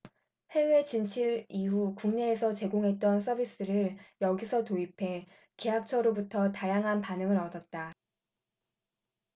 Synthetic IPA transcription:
he̞we̞t͡ɕint͡ɕʰiɾiɦukuŋne̞ːsʰʌt͡ɕe̞ɡoŋɦe̞t̚t͈ʌnsʰʌbis͈ɯɾɯɾjʌɡisʰʌtoipʰe̞ | ke̞ɦak̚t͡ɕʰʌɾobutʰʌtajaŋɦanpanɯŋɯɾʌdʌt̚t͈a

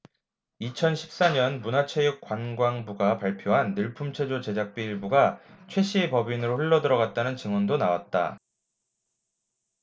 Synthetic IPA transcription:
it͡ɕʰʌnɕʰi̥p̚s͈aɲʌnmunat͡ɕʰejuk͈wanɡwaŋbuɡapaɭpʰjoɦanːɯɭpʰumt͡ɕʰwe̞d͡ʑot͡ɕe̞d͡ʑak̚p͈iiɭbuɡat͡ɕʰwe̞ɕʰiepʌbinɯɾoɸuɭːʌdɯɾʌɡat̚t͈anɯnt͡ɕiŋwʌndonawa̰t̚t͈a̰

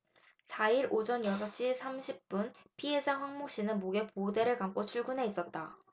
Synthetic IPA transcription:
sʰaiɾʔod͡ʑʌnjʌsʰaɕ͈isʰamɕʰip̚p͈unpʰiɦe̞d͡ʑaɸwaŋmok̚ɕ͈inɯnmoɡe̞pode̞ɾɯɭkamk͈ot͡ɕʰuɭɡunɦe̞is͈ʌt̚t͈a

